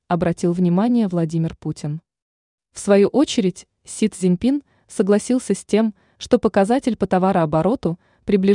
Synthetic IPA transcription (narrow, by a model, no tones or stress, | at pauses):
ɐbɾɐtʲilˠvnʲɪmanʲɪjəvlˠɐdʲimʲɪrputʲɪn | fsvɐjuʔo̞t͡ɕɪɾʲɪtʲ | sʲit̪zʲɪnʲpʲin | səɡlˠɐsʲilˠsʲəsʲtʲe̞m | ʂt̪o̞pəkɐzatʲɪlʲpət̪ɐvaɾəɐbɐɾo̞t̪ʊ | pɾʲɪblʲɪ